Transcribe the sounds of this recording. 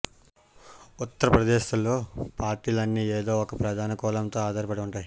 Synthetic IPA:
ut̪ːɐɾɐpɾɐd̪eːʃɐlo̞ːpaːɾʈiːlɐnːiːeːd̪o̞ːɔkɐpɾɐd̪ʱaːnɐkɔːlɐmt̪o̞ːaːd̪aːɾipɐɽiuɳʈaːj

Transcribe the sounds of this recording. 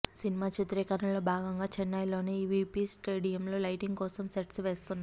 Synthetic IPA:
sinimaːt͡ʃit̪ɾiːkɐɾɐlo̞ːbʱaːɡɐŋɡaːt͡ʃɛnːɐjlo̞ːneːʋiːpiːsʈeːɽijɐmlo̞ːlɐjʈiŋɡkɔːsɐmseʈsʋe̞ːst̪unːa

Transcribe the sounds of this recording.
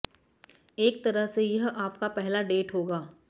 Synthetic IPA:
eːk̚t̪ɐɾəɦsejɐɦaːpkapɛɦlaɖeːʈɦoːɡaː

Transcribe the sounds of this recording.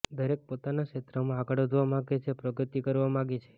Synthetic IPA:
d̪ʱəɾek̚pot̪anaket̪ɾəmãaɡəɽəd͡ʒ̪ʋamãɡet͡ʃʰepɾəɡət̪ikəɾʋamãɡet͡ʃʰe̥

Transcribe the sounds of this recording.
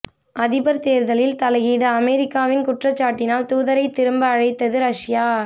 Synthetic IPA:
ʔɐðɪbɐɾt̪eːɾðɐlɪlt̪ɐlɐɣiːɽɐɐmɛɾɪkːaːʋɪnkʊʈrɐt͡ʃːaːʈːɪnaːlt̪uːðɐɾɐɪt̪ːɪɾɯmbɐːɻɐɪt̪ːɐðɯɾɐʂjaː

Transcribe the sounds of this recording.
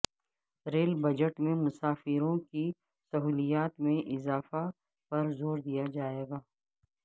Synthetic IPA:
ɾeːlbɐd͡ʒəʈmẽmʊsaːfɪɾõki | sɐɦuːlijaːt̪mẽʔɪzaːfa | pɐɾzoːɾd̪ijad͡ʒaːeːɡaː

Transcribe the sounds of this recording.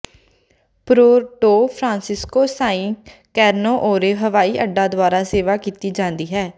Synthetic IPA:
pɾoːʈoːpʰɾãːnsɪskoːsaːĩːkɛːɾnoːʔoːɾeːɦəʋaːiːʔəɖaːd̪ʊaːɾaːseːʋaːkiːt̪iːd͡ʒãːnd̪iːɦɛː

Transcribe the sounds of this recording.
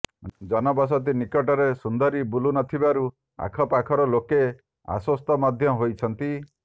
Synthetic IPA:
d͡ʒɔnɔbɔs̬ɔt̪̬inikɔʈɔɾesund̪ɔɾibulunɔt̪ʰibaɾu | a̰kʰɔpakʰɔɾɔloke | a̰swɔst̪ɔmad̪ʱjɔɔɦojt͡ʃʰɔnt̪i

